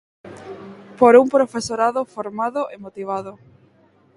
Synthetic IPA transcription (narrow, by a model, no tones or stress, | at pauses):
poɾumpɾofesoɾaðʊfoɾmaðʊʔemot̪iβ̞aðʊ